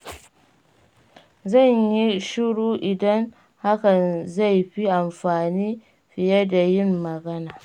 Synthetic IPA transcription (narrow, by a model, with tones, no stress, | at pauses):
zɐ˦˨ɲji˦ʃɪ˦ɽuː˨ʔɪ˨dɐ˦n | ha˦kɐ˨nza˦˨jɸi˦ʔa˨mɸaː˨niː˦ | ɸɪ˨jɐ˦da˨jɪ˦mːɐ˨ɡɐ˦naː˨